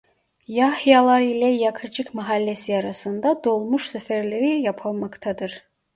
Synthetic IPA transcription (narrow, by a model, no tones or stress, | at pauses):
jahjalˠɑɾilʲɛjakʰɯd͡ʒɯkmaɦalʲːesiɑɾasɯnd̪ad̪o̞lˠmuʃsɛfæɾlʲeɾijapʰɯlˠmakt̪ʰad̪ɯɾ̥